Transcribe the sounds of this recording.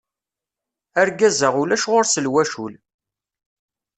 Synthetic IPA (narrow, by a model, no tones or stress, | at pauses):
æɾɡæzəʁulæʃʁoɾsəlwæʃul